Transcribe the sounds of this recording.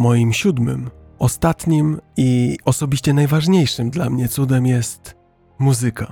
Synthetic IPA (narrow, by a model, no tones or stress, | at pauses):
mɔjimɕud̪mɘ̰m | ɔst̪at̪ɲimiɔsɔbʲiɕt͡ɕɛnajvaʐɲejʂɘmd̪lamɲɛt̪sud̪ɛmjɛst̪ | muzɘka